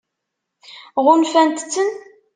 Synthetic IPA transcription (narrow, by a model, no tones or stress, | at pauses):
ʁʊnfænt̪t͡sːən